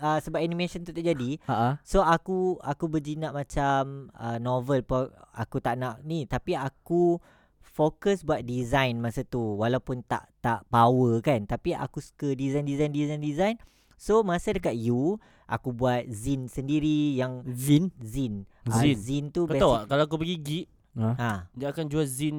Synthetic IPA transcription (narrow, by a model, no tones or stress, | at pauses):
əsəbap̚anĩmesənt̪ut̪aʔd͡ʒadiasoakuakubəd͡ʒinaʔ̚mãt͡ʃamənovəlpoa̰kut̪aʔnaʔnĩt̪apiaku | fokəsbuat̪̚dizajnmãsat̪uwalawpʊnt̪a̰ʔt̪aʔbawəkant̪apiʔa̰kuskədizajndizajndizajndizajn | somãsadəkat̪̚ju | ʔa̰kubuat̪̚zinsəndiɾijaŋzinzinaizint̪ukəbɛt̪aaʔkalaak̬upəɡiɡiʔ | adaakand͡ʒuazin